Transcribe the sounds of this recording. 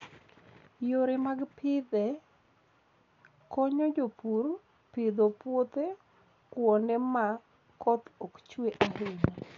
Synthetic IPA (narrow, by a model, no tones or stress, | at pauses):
joɾemaɡpʰɪd̪ɛ | kɔɲɔd͡ʒopur | pɪd̪opwot̪e | kwɔndɛma | kɔt̪ɔkt͡ʃweʔaɾɪɲa